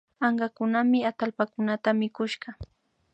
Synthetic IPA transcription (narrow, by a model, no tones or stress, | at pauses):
ɑɴɢɑkʊnamɪat̪alpakʊnat̪amɪkʊʃɢɑ